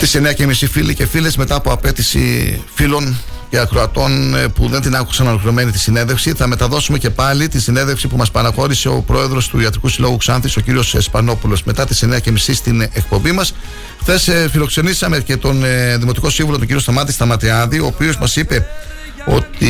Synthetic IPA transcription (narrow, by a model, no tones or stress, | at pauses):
t̪iseneɐcemisifilice̞file̞zme̞t̪ɐːpo̞ɐpe̞t̪isḭfilo̞n | ce̞ɐkɾoɐt̪o̞npuðe̞nd̪inɐku̥ksɐno̞lexiɾo̞me̞nit̪isine̞nðe̞fsiθɐme̞t̪ɐðo̞sume̞ce̞pɐlit̪insinenðe̞fsipumɐspɐnɐxo̞ɾise̞o̞̰pɾo̞e̞ðɾo̞st̪uiɐt̪ɾikusilo̞ɣuksɐnθiso̞ciɾio̞sspɐno̞pulo̞zmet̪ɐt̪i̥sene̞ɐcemisist̪ine̞k̚po̞mbimɐs | xθe̞sfilo̞kse̞nisɐme̞ce̞t̪o̞nðimot̪iko̞sĩɱvulot̪oɟiɾio̞st̪ɐmɐt̪ist̪ɐmɐt̪iɐðio̞ːpiozmɐsipe̞ | o̞̰t̪i